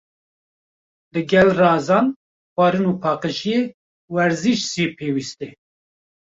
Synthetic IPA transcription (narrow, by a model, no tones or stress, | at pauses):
lɨɡɛlrɑːzɑːn | xʷɑːɾɨnuːpʰɑːqəʃije | wɛɾziʃsipʰeːwist̪e